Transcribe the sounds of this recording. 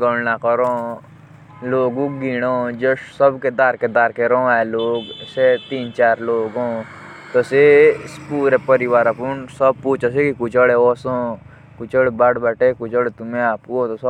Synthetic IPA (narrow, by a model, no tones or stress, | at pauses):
ɡoɽnakɐɾoː | loːɡõɡiːɽ̃oːd͡ʒosɐbked̪aːɾked̪aːɾkeɾõɛːloːɡset̪iːnt͡ʃaːɾloːɡõː | t̪osespuːɾepəɾiʋaːɾapunsɐb̚puːt͡ʃasekikʊt͡ʃəɽeoːsõ | kʊt͡ʃəɽbɐɽbɐʈekʊt͡ʃəɽet̪ʊmẽaːp̚kuot̪osɐ